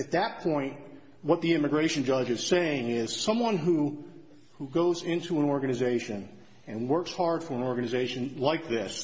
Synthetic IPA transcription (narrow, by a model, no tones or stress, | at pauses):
ɨt̪̚ðɨt̚pʰɔ̃ɪ̃ntʔ | wʌt̪̚ðiɪ̃mɨɡɹeɪʃɨn̩d͡ʒʌd͡ʒɨz̥seɪɪ̃ŋɪz̥sʌ̃mwʌ̃nɦu | huɡoʊzɪ̃ntʰuə̃nɔɹɡɨnɨzeɪʃɨ̃n | ɨ̃nwɜ˞kshɑɹd̥fə˞ə̃nɔɹɡɨnɨzeɪʃɨ̃nlaɪk̚ðɪs